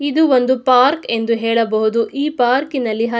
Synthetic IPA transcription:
id̪uond̪upaːɾke̞nd̪uɦɛːɭɐbɐɦud̪uʔiːpaːɾkinɐlːiɦɐ

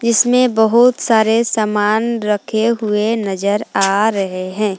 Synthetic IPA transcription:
d͡ʒɪsmẽbəɦʊt̪saːɾesaːmaːnɾəkʰeɦʊenɐzəɾaːɾɐɦeɦɛ̃ː

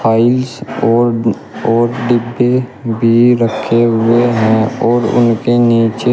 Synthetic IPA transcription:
pʰaːɪlsɔːɾ | ɔːɾɖɪbːebʱiɾəkʰːeɦʊeɦɛ̃ɔːɾʊ̰nkeniːt͡ʃe

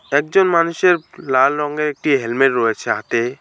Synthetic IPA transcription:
ɛk̚d͡ʑonmanuʃeɾlalɾɔŋɡeek̚ʈiɦelmeʈɾɔet͡ɕʰeat̪e

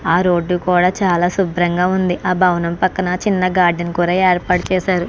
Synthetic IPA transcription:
aːɾo̞ːɖːukuːɽaːt͡ʃaːlaːsubɾɐŋɡaːund̪iʔʔaːbʱɐwnɐmpɐkːɐnɐt͡ʃinːɐɡaːɾɖɐnkuːɾaːeːɾpaːʈut͡ʃɛːsaːɾu

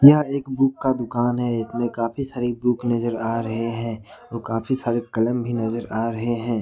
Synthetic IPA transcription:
jɐɦeːkbuːkːad̪ʊkaːnɦɛɪsmẽkaːpʰisaːɾibuːknɐzəɾaːɾɐɦeɦɛ̃ːɔːɾkaːpʰisaːɾekɐləmbʱinɐzəɾaːɾɐɦeɦɛ̃ː

